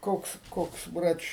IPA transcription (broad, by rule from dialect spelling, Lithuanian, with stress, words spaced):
ˈkoːks ˈkoːks ˈbrɐt͡ʃʲ